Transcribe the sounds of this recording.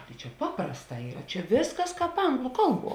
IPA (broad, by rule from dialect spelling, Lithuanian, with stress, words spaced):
tɐɪ t͡ʃʲɛ ˈpɑːprɐsˌtɑː ˈiːrɐ ˈt͡ʃʲɛ ˈʋʲeːsˌkɐs ˈkɑːp ˈɐŋɡlˠʊ ˈkɐlˠˌbuɔ